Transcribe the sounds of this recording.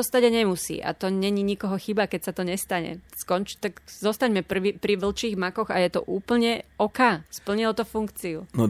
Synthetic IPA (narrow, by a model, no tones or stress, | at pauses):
ɔst̪aɟaɲɛmusḭːʔa̰t̪ɔɲɛɲiɲikɔɦɔxibakɛcsat̪ɔɲɛst̪aɲɛ̰skɔnt͡ʃi̥t̪aɡzɔst̪aɲmɛpr̩ʋipɾiʋl̩t͡ʃiːɣmakɔɣa̰jɛt̪ɔ̰ʔuːpl̩ɲɛɔkaːspl̩ɲilɔt̪ɔfuŋkt͡siunɔ